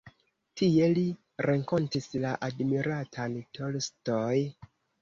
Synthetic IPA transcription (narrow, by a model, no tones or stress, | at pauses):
tie̞li | ɾʔeŋko̞ntislaʔadmiɾatʰantʰolstoj